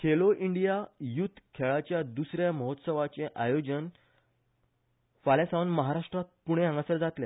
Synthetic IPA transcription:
kʰeloʔiɳɖijajut̪ʰːkʰeɭat͡ɕjad̪usɾjaməɦot̪səʋat͡seʔajod͡ʑən | falesaʋənməɦaɾaʂʈɾat̪̚puɽ̃eãŋɡəsəɾd͡zat̪lẽ

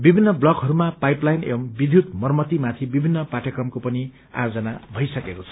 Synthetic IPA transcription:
bibʱinːʌblʌkɦʌɾumapajplajnḛʌmbid̪ʱjut̪mʌrmʌt̪imat̪ʰibibʱinːʌpaʈjʌkrʌmkopʌni | a̰jod͡zʌnabʱʌjsʌkekot͡sʰʌ̥

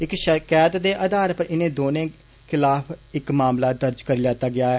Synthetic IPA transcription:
ɪkʃəkɛːt̪d̪eːʔaːd̪aːɾpəɾɪnẽːd̪oːnẽː | kʰɪlaːpʰɪkmaːmlaːd̪əɾd͡ʒkəɾiːlaːt̪aːɡɪaːɛː

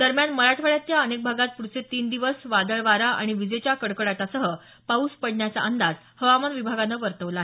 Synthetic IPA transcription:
d̪əɾmjanməɾaʈʰʋəɭjat̪jaənek̚bʱaɡat̪̚puɾt͡set̪iːnd̪iʋəsʋad̪əɭʋaɾaʔa̰ɽ̃iʋid͡zet͡ɕjakəɽkəɽat̪asəɦə | pauspəɽɳjat͡sa̰ʔənd̪ad͡z | həʋamanʋibʱaɡanəʋəɾt̪əʋlaːɦe

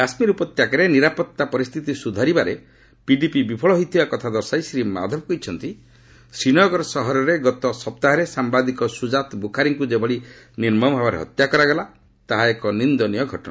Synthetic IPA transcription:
asmiɾupɔt̪jakaɾeniɾapɔt̪ːapɔɾist̪ʰit̪isud̪ʱaɾibaɾe | piɖipibipʰɔɭɔɦojt̪ʰibakɔt̪ʰad̪ɔɾsajsɾima̰d̪ʱɔbɔkɔjt͡ʃʰɔnt̪i | sɾinɔɡɔɾɔsɔɦɔɾɔɾeɡɔt̪ɔsɔpt̪aɦaɾesambad̪ikɔsud͡ʒat̪bukʰaɾiŋkud͡ʒebɔɽi | niɾmɔmbʱabaɾḛɦɔ̰t̪jakɔɾaɡela | t̪aɦaekɔnind̪ɔnijɔɡʱɔʈɔna̰

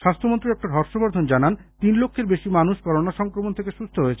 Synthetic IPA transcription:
ʃast̪ʰomont̪ɾiɛk̚ʈad̪ʱɔɾʃoboɾd̪ʱond͡ʑanant̪inlokʰːeɾbeʃimanuʃkɔɾonaʃɔŋkɾomont̪ʰekeʃust̪ʰoɦoet͡ɕʰe

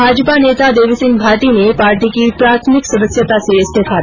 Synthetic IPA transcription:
bʱaːd͡ʒəpaneːt̪ad̪eːʋisɪ̃ŋɡbʱaːʈinepaːɾʈikipɾaːt̪ʰmɪksəd̪əsjət̪aseɐst̪ʰek̪ʰaːt̪i

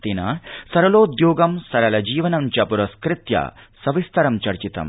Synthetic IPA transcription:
t̪inɐ̰sɐɾɐloːd̪joːɡɐmsɐɾɐlɐd͡ʒiːʋɐnɐmt͡ʃɐpuɾɐskɾɪt̪jɐ̰ | sɐʋist̪ʰɐɾɐmt͡ʃɐɾt͡ʃit̪ɐ̰m

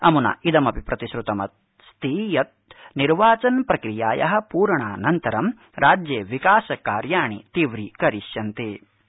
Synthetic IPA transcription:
ɐmunɐ̰id̪ɐmɐpipɾɐt̪iʃɾut̪ɐmɐt̪̚ | st̪ʰiːjɐt̪̚niɾʋaːt͡ʃɐnpɾɐkɾijaːjɐ̰ɦɐ̆puːɾɳaːnɐnt̪ɐɾɐm | ɾʔaːd͡ʒjeːʋikaːsɐkaːɾjaːɳit̪iʋɾikɐɾiʃjɐnt̪eː

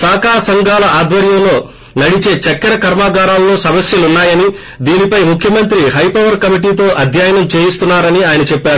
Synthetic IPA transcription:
saːkaːɾɐsɐŋɡaːlɐaːd̪ʋɐɾjɐmlo̞ː | nɐɽit͡ʃe̞ːt͡ʃɐkːɐɾɐkɐɾmaːɡaːɾaːllo̞ːsɐmɐsjɐlunːaːjɐni | d̪iːnipɐjmukʰjɐmɐnt̪ɾiɦɐjpɐʋɐɾkɐmiʈ̬iːt̪o̞ːʔɐd̪ʱjaːjɐnɐmt͡ʃe̞ːjist̪unːaːɾɐniaːjɐnɐt͡ʃɛpːaːɾu

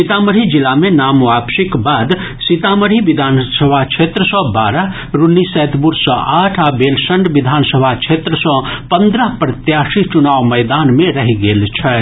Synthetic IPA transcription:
sit̪aməɾid͡ʒilamenamʋabʃikbad̪ | sit̪aməɾiʋid̪ʱansəbʱat͡ʃʰet̪ɾəsɔ̃baɾə | ɾunːisɛt̪buɾsɔ̃ʔaʈʰabelsəɳɖʋid̪ʱansəbʱat͡ʃʰet̪ɾəsɔ̃pənd̪ɾəɦpɾət̪jasit͡ʃunaʋməjd̪anmeɾəɦiɡelt͡ʃʰɛ

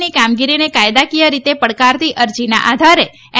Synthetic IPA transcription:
nikamɡiɾinekajd̪akijəɾit̪epəɽkaɾt̪ʰiʔəɾd͡ʒina̰ʔad̪ʱaɾe

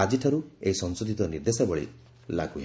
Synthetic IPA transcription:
ad͡ʒiʈʰɔɾueisɔnsud̪it̪ɔniɾd̪esabɔɭḭ | la̰ɡuɦ

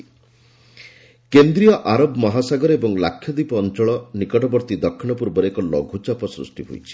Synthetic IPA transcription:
kend̪ɾijɔʔaɾɔbmɔɦasaɡɔɾebɔŋlakʰːjɔd̪ipɔːnt͡ʃɔɭɔnikɔʈɔbɔɾt̪id̪ɔkʰːiɽ̃ɔpuɾbɔɾekɔlɔɡʱut͡ʃapɔsɾṵsʈiɦo̰jt͡ʃʰi̥

